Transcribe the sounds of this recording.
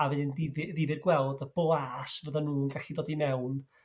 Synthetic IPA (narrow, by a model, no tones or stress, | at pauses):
avɨðɪndɪvɨðɪvɨrɡwɛlˠdəb̥oːaːsvəðanuːnɡaɬidoːdimɛwn